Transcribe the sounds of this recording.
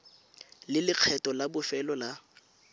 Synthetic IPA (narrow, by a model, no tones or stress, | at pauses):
lɪlɪq͡χʰɛtʼɔlabʊfɛlɔla